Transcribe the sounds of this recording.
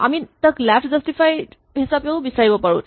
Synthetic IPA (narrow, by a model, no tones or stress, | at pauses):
a̰miːnt̪əklæfʈd͡zəsʈifaj | ɦisapjobisajʋəpəɽṵːt̪